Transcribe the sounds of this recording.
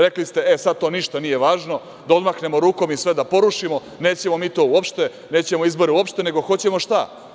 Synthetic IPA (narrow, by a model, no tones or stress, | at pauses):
ɾe̞klist̪e̞esad̪̚t̪o̞ːniʃt̪anije̞ʋaːʒno̞ | d̪ao̞d̪maxne̞mo̞ɾuːko̞misʋe̞d̪apo̞ɾuʂimo̞ | neːt͡ɕemo̞miːt̪o̞ːuopʃt̪e̞ | ne̞ːt͡ɕe̞mo̞izbo̞ɾeuopʃt̪ene̞ɡo̞xo̞t͡ɕe̞mo̞ʃt̪a